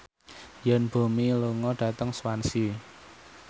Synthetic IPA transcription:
jɛnb̥o̤miluŋɔɖ̥a̤t̪əŋswansi

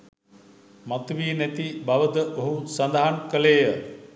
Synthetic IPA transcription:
mat̪uʋiːnæt̪ibaʋəd̪əʔoɦusand̪aɦankəleːjə

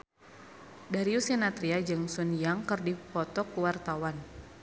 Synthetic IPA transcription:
daɾiusɛnat̪ɾiad͡ʒɨŋsunjaŋkərdipɔt̪ɔkuwart̪awan

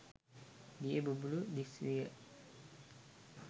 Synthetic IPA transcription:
diebubuluʔdisɾiə̰ʔ

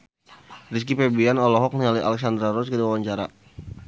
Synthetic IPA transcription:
ris̬kipebianɔlɔɦɔk̚nialia̰lɛks̬and̪ɾaɾɔskədiwawaɲt͡ʃaɾa̰

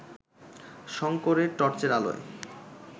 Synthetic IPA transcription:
ʃɔŋkoɾeɾʈɔɾt͡ɕeɾalo̰e

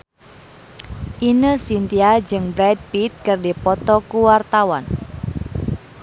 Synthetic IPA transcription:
ʔinəsint̪iad͡ʒɨŋbɾɛd̚pit̪̚kərdipɔt̪ɔkuwart̪awan

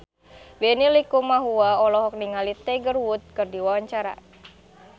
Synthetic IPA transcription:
benilikumaɦuwaɔlɔɦɔk̚niŋalit̪ɛɡərwut̪̚kɨrdiwawaɲt͡ʃaɾa̰

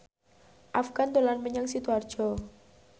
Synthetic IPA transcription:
ʔafɡ̥and̪olanməɲaŋsit̪uard̥ʒ̥ɔ

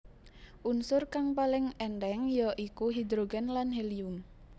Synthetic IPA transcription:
ʔunsʊrkaŋpalɪŋɛndɛŋjɔʔikuɦid̪ɾoɡɛnlanɦelijuŋ

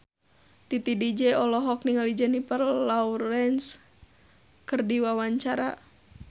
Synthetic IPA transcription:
t̪it̪idid͡ʒɛɔlɔɦɔk̚niŋalid͡ʒɛnipərlauɾɛns | kərdiwawaɲt͡ʃaɾa̰

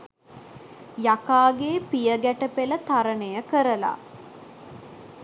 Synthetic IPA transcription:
jakaːɡeːpijəɡæʈəpelət̪aɾənəjəkəɾəla̰

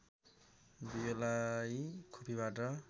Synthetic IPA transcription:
bijolajkʰopʰibaʈʌ

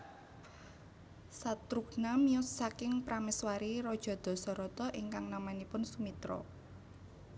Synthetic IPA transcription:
sat̪ɾuknamiɔsːakɪŋpɾamɛswaɾiɾɔd̥ʒ̥ɔ̤d̪̥ɔ̤sɔɾɔt̪ɔʔɪŋkaŋnamanipʊnsumit̪ɾɔ̰

